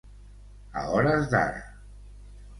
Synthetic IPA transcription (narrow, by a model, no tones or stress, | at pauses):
a̰ɔɾazd̪a̰ɾa̰